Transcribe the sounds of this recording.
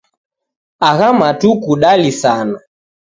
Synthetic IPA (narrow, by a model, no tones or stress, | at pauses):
aɣamatukuɗalisana